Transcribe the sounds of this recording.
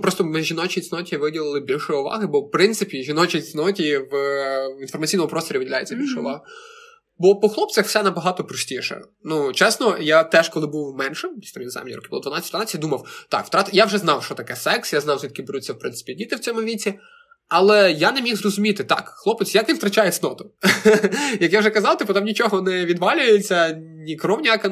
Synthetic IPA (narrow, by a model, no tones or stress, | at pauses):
pɾɔst̪ɔmɪʒʲinɔt͡ʃisʲnɔtʲiʋɪdʲilˠɪlˠɪbʲilʲʃʊjʊʋɑ̰ɦɪbɔwpɾɪnt̪sɪpʲiʒʲinɔt͡ʃit͡sʲnɔtʲiwinfɔrmɐtt͡sʲijnɔmʊpɾɔst̪ɔɾʲiʋɪdʲilʲajt͡sʲːɐbʲilʲʃɛʊ̰ʋɑɦʊ | bɔpɔxlˠɔpt͡sʲɐxw̥sɛnɐbɐɦɑt̪ɔpɾɔsʲtʲiʃɛ̰ | nut͡ʃɛsnɔjat̪ɛʃkɔlˠɪbuwmɛnʃɪmʲisʲt̪ɔʋʲinza̰mnʲḭɾɔ̰kɪblˠɔd̪ʋɐnɑt͡sʲːtʲd̪ʋɐɑt͡sʲːɪtʲd̪umɐwt̪ɑ̰kw̥t̪ɾɑt̪jawʒɛzn̪ɑwʃt͡ʃɔt̪ɐkɛsɛksjaznɑwzʲʋʲid̪kɪbeɾut͡sʲːɐwpɾɪnsɪ̥pʲidʲit̪ɪwt͡sʲɔmʊʋʲit͡sʲi | ɐlˠɛjanɛmʲixzrɔzʊmʲit̪ɪt̪ɑ̰kxlˠɔpet͡sʲjɐkʋʲint̪ɾɐt͡ʃajesʲnɔt̪ʊ | jɐkjawʒɛkɐzɑlwˠt̪ɪpt̪ʊt̪amnʲit͡ʃɔɦɔnɛʋʲid̪ʋɑlʲʊjet͡sʲːɐnʲikɾɔmnʲakɐ